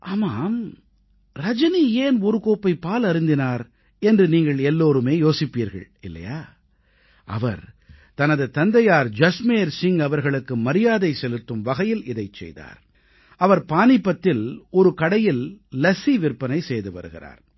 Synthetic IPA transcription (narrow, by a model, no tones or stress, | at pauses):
ʔaːmaːm | ɾɐd͡ʒɐnieːnɔɾɯkoːpːɐɪpːaːlɐɾɪnd̪ɪnaːɾ | ɛndrɯniːŋɡɐɭɛlːoːɾɯmeːjoːsɪpːiːɾɣɐ̰ɭ | ɪlːɐ̰jaː | ʔɐ̰ʋɐɾ | t̪ɐnɐðɯt̪ɐnd̪ɐjaːɾd͡ʒɐsmeːɾsɪŋɡɐʋɐɾɣɐɭɯkːɯmɐɾɪjaːðɐɪsɛlɯt̪ːɯmʋɐɣɐjɪlɪðɐɪt͡ʃːɛ̰jða̰ːɾ | ɐʋɐɾpaːnɪpːɐt̪ːɪlɔɾɯkɐɽɐjɪllɐsiʋɪrpːɐnɐɪsɛjðɯpɐ̰ɾɯɣɪ̰ra̰ːɾ